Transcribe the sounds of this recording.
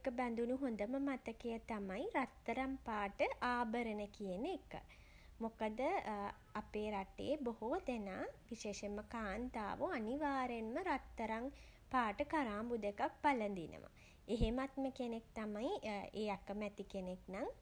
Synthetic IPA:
ekəbɛnd̪unuɦond̪əməmat̪əkejət̪amajɾat̪ːəɾampaːʈəʔaːbəɾənəkijənekə̰ | mokəd̪ə | apeːɾaʈḛːbohoʋd̪enaːʋiʃeːʃeməkaːnt̪a̰ːʋuaniʋaːɾenməɾat̪ːəɾaŋ | paːʈəkaɾaːmbud̪ekak̚palənd̪inə̰ʋa̰ | eɦemat̪məkenek̚t̪amajeːjakəmæt̪ikeneknaŋ

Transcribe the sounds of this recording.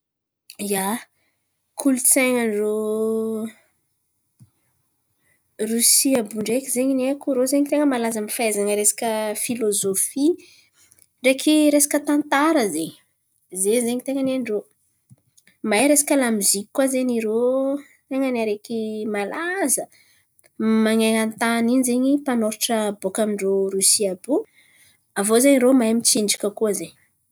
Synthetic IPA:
ja | kʰulut͡seŋənro | rusiabuɳɖ͡ʐekʲizeɲinekuɾozeɲit̪eŋəmalazamifaezanəɾesḁkʲəfilozofi | ɳɖ͡ʐekʰiɾesḁkət̪ant̪aɾəzeɲ | zezeɲit̪eŋəneɳɖ͡ʐo | majɾesḁkʲəlamizikʲikːwazeɲiɾo | t̪eŋənaɾekimalazə | maŋaŋant̪aniɲzeɲipanoɾʈ͡ʂəbokamiɳɖ͡ʐoɾusiabu | avozeɲiɾomajmit͡ʃiɳɖ͡ʐikʲəkuəzeɲ

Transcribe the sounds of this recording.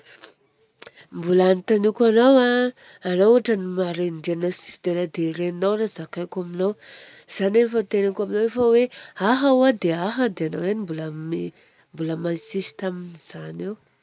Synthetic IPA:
mbulanit̪anikʲanowaː | nauaʈ͡ʂənimaɾeɳɖ͡ʐenasi̥si̥d̪enad̪eɾenawrazakajkaminawz̥anefət̪enakaminowefəweaɦawad̪eaɦəd̪eanawanimbulame | mbuləmansisi̥t̪aminiz̥anew

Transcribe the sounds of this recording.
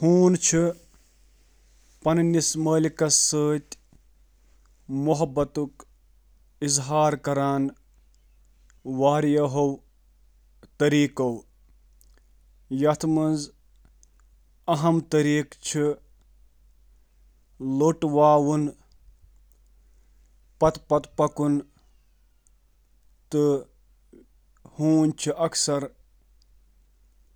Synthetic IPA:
huːnt͡ʃʰi | pɐnnisməːlikɐsəːt̪ʲ | muɦɐbːɐt̪uk | izɦaːɾkɐɾaːn | ʋaːɾjɐɦow | t̪ɐɾiːkɐw | jɐt̪ʰmɐnz | ɐɦɐmt̪ɐɾiːkt͡ʃʰi | loʈʋaːwun | pɐt̪pɐt̪pɐkun | t̪ɨ | hũːnt͡ʃʰiʔɐksɐɾ

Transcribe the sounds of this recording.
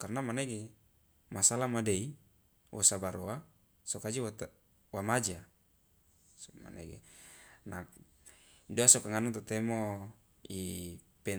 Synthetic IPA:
karnamaneɡe | masalamadei | wʔɔ̰sabaɾoa | sokad͡ʒawt̪ | wamad͡ʒa | ma̰nḛɡḛnak | doasɔkaŋanat̪ot̪ɛmo | i | pɛ

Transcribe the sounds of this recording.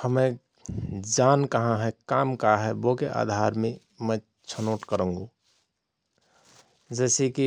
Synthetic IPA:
həme | d͡ʒankəɦãɦɛkamkaɦɛbokeʔa̰ːd̪ʱaɾmẽ | mə̃ | t͡ʃʰənoːʈkəɾə̃ŋɡo | d͡ʒɛːseki

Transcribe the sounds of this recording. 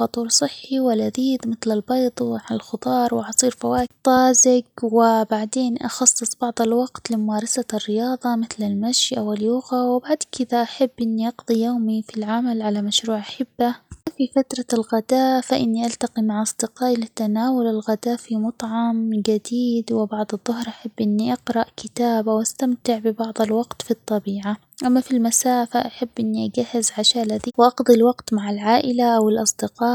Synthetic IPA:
fɑt̪ˤuːɾsˤɨħːiwɪlʔaðiːd̪mɪθlalbɑjd̪ˤʕaɪlxʊt̪ˤɑːɾˤwɪʕɑsˤiːɾfawaːkt̪ˤːɑːzɪɡwɪbaʕd̪eːnʔɑ̰xɑsˤːɨsˤbɑʕðˤɑlwɑɡt̪lɪmʊmaːɾˤɑsarːɪjɑːðˤɑmɪθlalmaʃʔawɪljʊɣawɪbaʕd̪kʰɪd̪aʔaħabːʔɪnːiʔɑɡd̪ˤijoːmifilʕamalʕalamaʃɾuːʕaħɪbːafifat̪ɾˤɑlɣad̪aːfaʔɪnːiʔalt̪aqimaʕʔɑsˤd̪̥ɪqɑːʔilɪt̪ːanaːwʊlɪlɣad̪aːfimʊt̪ˤʕɑmɡad̪iːd̪wɪbɑʕd̪ˤɨðˤːʊɦɾʔaħabːʔɪnːiʔɑqɾˤɑʔkʰɪt̪aːbawʔast̪amt̪ɪʕbɪbɑʕd̪ˤɑlwɑɡt̪fit̪ˤːɑbiːʕa | ʔamːafilmasaːfaʔaħabːʔɪnːiʔaɡahːɪzʕaʃaːlaðiwʔɑqd̪ˤilwɑqt̪maʕalʕaːʔɪlaʔawɪlʔɑsˤd̪ɪqɑː

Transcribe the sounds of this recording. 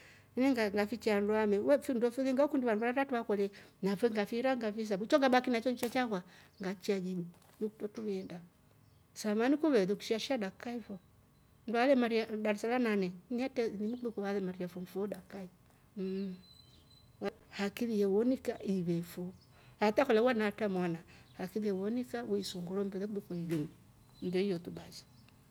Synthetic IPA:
nɛŋɡaŋɡafit͡ʃianduamɛwɛfindɔfiðiŋɡakundiwandwaɾatuwakɔlɛnafɛŋɡafiɾaŋɡafis̬abut͡ʃɔŋɡabakinat͡ʃɔɲt͡ʃɛt͡ʃakwaŋɡat͡ʃiad͡ʒiɲi | nuktɔtuβɛnda | samanikuβɛðuku̥ʃiaʃiadakaifɔ | ndalɛmaɾijadaɾsalananɛnɛtɛnimukudukoβalɛmaɾijafomfodakai | m̩ | wa | hakilijewonikaiβefo | atakɔlɛwanatamanahakilijewonikawoisoŋɡuɾombɛðɛkudukoiβin | n̩doijotubad͡ʒi̥

